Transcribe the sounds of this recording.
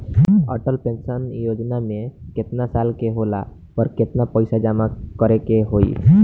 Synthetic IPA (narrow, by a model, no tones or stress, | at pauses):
ə̰ʈəlpẽnsənjoːd͡ʒnamẽkɪt̪nasalkeɦola̰ | pəɾkɪt̪napəɪsad͡ʒamakəɾekeɦoḭ